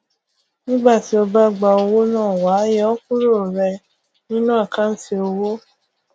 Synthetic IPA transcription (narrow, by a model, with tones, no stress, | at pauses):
nĩ˦ɡ͡ba˦˨ti˨˦o˧ba˦˨ɡ͡ba˧o˧wo˦nãː˦˨wa˨˦jɛ˦ɔ˦ku˦ɾo˦˨ɾɛ˧ | nĩ˦nũ˦a˦˨ka˦n̩˦te˧o˧wo˦